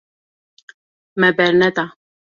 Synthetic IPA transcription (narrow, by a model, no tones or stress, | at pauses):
mɛbɛɾnɛt̪a